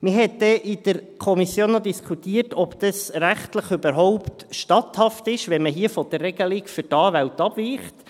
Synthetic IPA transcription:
mɪɦɛt̚d̥ɛʔid̥əɾkʰɔmisjoːnːɔd̪iskʰχut̪iːətʰɔbd̪̥əsɾæχtləχybəɾɦɔʊptʃtɑthɑftɪʃʋɛnməɦiəfɔd̥̪ərːɛɡ̥əlikfʏɾtɑːʋæwtɑb̥viːχt

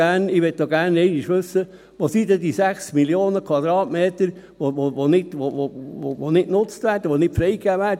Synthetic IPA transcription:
æːnɪʋɛtːɔɡ̥æːɾnɛɪnɪʃʋɵsːə | ʋɑsid̪ɛdisæχsmiljoːnəkʰwɑd̥̪ɾɑːtmeːt̪əɾ | ʋoʋoʋonɪtʋoooʋonɪtnʊt͡st̪ʋæːɾd̥əʋonɪtfɾɛɪkæːʋæːd

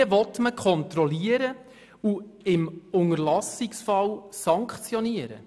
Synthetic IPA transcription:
əvɔtməkʰχɔnt̪ɾɔliəɾə | uɪmʊŋərlɑsɪksfɑlsɑŋkχt͡sjɔniəɾə̰

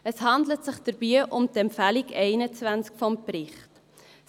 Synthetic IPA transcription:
əshɑndlətsɪχd̥əɾbiːʔʊmtɛmpfælikɛɪnət͡svænskfɔmprɪχt

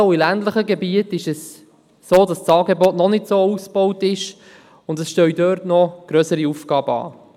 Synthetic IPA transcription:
wilæntləχəɡɛbiətɪʃɛs | soːdɑst͡sɑːɡɛbɔtnɔnɪtsoːusb̥owtɪʃ | ʊndɛsʃtœɥdœːɾtnɔɡ̥ɾœsəɾiufɡɑːbəɑ̰ː

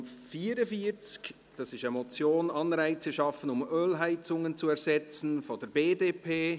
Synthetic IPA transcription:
fiːəɾəfiət͡sk | d̥ɑsɪʃɛmɔt͡sjoːnɑnɾæɪt͡səʃɑfənʊmøːlɦæɪt͡sʊŋənt͡suɛɾɹzɛt͡sn̩fɔd̥ɛɾbeːdeːpʰeː

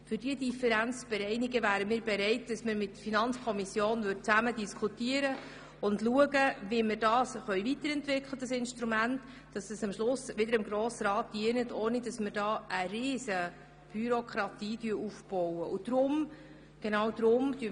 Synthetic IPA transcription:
fʏɾdidifɛɾænt͡sb̥ɛɾɛɪniɡəvæːɾəmiːɾbɛɾɛɪtd̥ɑsməɾmɪtːəɾfinɑnt͡skʰɔmisjoːnvʏrd̚t͡sæmədiskʰutiəɾə | ʊndluəɡəviməɾdɑːsχœʏɥvitəɾɛntvɪkʰlədɑsɪnʃtɾumænt | d̥ɑsəsɑmʃlʊsʋɪdəɾəmɡɾoːsəɾɑːt̚d̥iənətʰoːnidɑsməɾd̥ɑːʔəɾɪːsə | b̥yɾokʰɾɑtiːdyəɾufb̥ɔwəʔʊd̪̥ɾʊm | ɡ̥enɑːwd̥̪ɾʊmd̥y

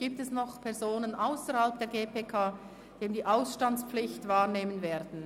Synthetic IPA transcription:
ɡ̥iːp̚tɛsnɔχpʰɛʁzoːnənʔaʊsəɾhalp̚d̥eːɐɡeːpʰeːkʰaː | d̥eːmdiːʔaʊsʃtant͡spflɪçtvaːʁneːmənveːɐdn̩

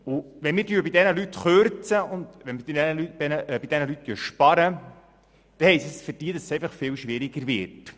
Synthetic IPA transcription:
ʊʋɛnmɪːrdyːɾbɪd̪ɛnəlyt̪χøɾt͡səʊnd̪ʋɛnmɪdidɛnəlybɛnəb̥id̥̪ɛnəlyt̚t̪yːʃpɑɾə | d̪̥ɛhɛɪsisfəɾd̥iədɑssejfəχfɪːwʃʋɪɾiɡəɾvɪ̰ɾt

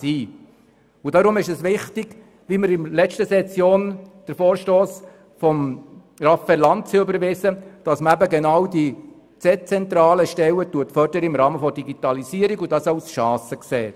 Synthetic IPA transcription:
siː | ʊdɑɾʊmɪʃɛsʋɪχtɪɡ̥ | ʋiməɾɪmlɛt͡ʃtəsɛt͡sjoːnd̥əɾfoːɾʃtoːs | fɔm | rɑfɛlɑnt̚t͡sɪʏbəɾʋɪsəd̥ɑsməæbəɡɛnɑwdi | t͡sɛt͡sɛnt̪ɾɑːləʃtɛwətuətfœɾd̥əɾəɪmɾɑːməfɔd̥iɡitɑlisiːəɾiɡʊdɑsɑʊsʃɑːsəkseːt

